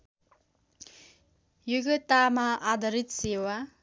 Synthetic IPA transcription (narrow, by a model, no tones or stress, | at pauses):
juɡʌt̪amaʔad̪ʱʌɾit̪sewa